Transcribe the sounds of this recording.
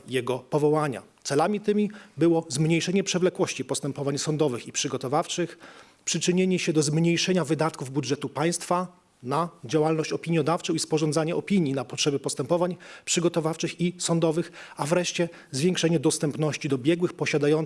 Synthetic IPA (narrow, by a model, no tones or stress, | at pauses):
jɛɡɔpɔvɔwaɲa̰t̪sɛlamʲit̪ɘmʲibɘwɔzmɲejʂɛɲɛpʂɛvlɛkwɔɕt͡ɕipɔst̪ɛmpɔvaɲsɔnd̪ɔvɘxipʂɘɡɔt̪ɔvaft͡ʂɘx | pʂɘt͡ʂɘɲeɲɛɕɛd̪ɔzmɲejʂɛɲavɘd̪at̪kuvbudʐɛt̪upaj̃st̪fa | nad͡ʑawalnɔɕt͡ɕɔpʲiɲjɔd̪aft͡ʂɔw̃ispɔʐɔnd̪zaɲɛɔpʲiɲjinapɔtʂɛbʲɛpɔst̪ɛmpɔvaɲpʂɘɡɔt̪ɔvaft͡ʂɘxisɔnd̪ɔvɘxavɾɛʂt͡ɕɛ | zvʲjɛ̃ŋkʂɛɲɛd̪ɔst̪ɛmpnɔɕt͡ɕid̪ɔbʲjɛɡwɘxpɔɕad̪ajɔn